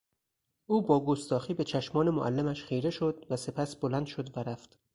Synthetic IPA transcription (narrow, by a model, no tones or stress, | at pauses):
ʔuːbɒːɡost̪ɒːxiːbe̞t͡ʃʰæʃmɒːne̞moʔælːemæʃχejɾe̞ʃod̪væse̞pʰæsb̥olænd̪ʃod̪væɾæft̪